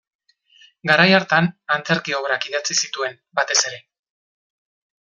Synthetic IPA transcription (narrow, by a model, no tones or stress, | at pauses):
ɡaɾajaɾt̪anant͡se̞ɾkio̞βɾakiðat͡sisit̪ue̞n | bat̪e̞se̞ɾe̞